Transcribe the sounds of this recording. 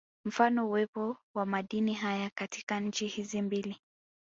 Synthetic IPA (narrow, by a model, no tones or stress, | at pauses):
m̩fanɔuwɛpɔwamaɗiniɦajakati̥kaɲ̩t͡ʃihizimbili